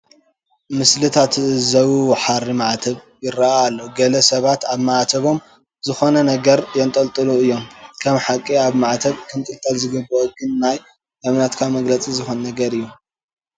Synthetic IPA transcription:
mɨslɨt̪ʰat̪zɐwuwħaɾimaʕt̪ʰɐβ | jɪɾaʔalːoɡɐlɐsɐβat̪aβmaʕt̪ʰɐβo̞m | zɨxonɐnɐɡɐɾjɛnt̪ʼɐlt̪ʼɨluɨjːo̞mkʰɐmħakʼːiaβmaʕt̪ʰɐβkʰɨnt̪ʼɨlt̪ʼalzɨɡɨbːoɡɨnːaj | ʔɨβnat̪kʰamɐɡlɐt͡sʼizɨxonnɐɡɐɾɨjːu

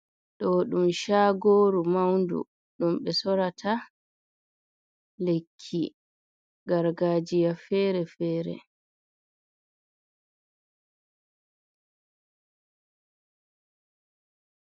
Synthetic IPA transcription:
ɗɔɗumʃaːɡoːɾumawndṵ | ɗumɓɛsɔɾatʰa | lekʰːḭ | ɡaɾɡaːd͡ʒijafɛːɾɛfɛːɾɛ̰

